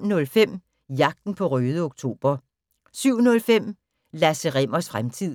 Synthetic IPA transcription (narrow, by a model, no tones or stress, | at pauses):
nɔ̽lfem̰ | jɑ̈ɡ̥̚d̥n̩pʰɒ̽ʁøːð̞ˠəoɡ̥̚t͡sʰo̝̰ːb̥ɐ | syʊ̰nɔ̽lfem̰ | læsəʁem̰ɐsfʁamt͡sʰið̰ˠ